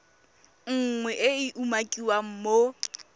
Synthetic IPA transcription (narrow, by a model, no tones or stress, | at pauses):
ŋ̩ŋwɛʔɪiʔumakʼiwam̩mo